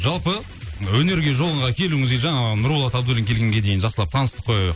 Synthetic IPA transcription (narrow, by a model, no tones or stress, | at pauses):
ʒɑlˠpə | wɵne̞ɾɡʲe̞ʒo̞lˠəɴʁɑkʲʰe̞luŋɪzɡʲeʒɑɴɑnʊɾulˠɑt̪ɑbd̪ulʲiŋkʲe̞lɡʲe̞ŋɡʲe̞d̪e̞jnʒɑqsəlˠɑp̚t̪ʰɑnəst̪ə̥p̚qʰojɑjə